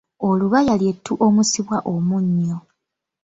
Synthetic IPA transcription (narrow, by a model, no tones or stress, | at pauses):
oluβajalje̞tʰːuʔo̞musiβwaʔomuɲːo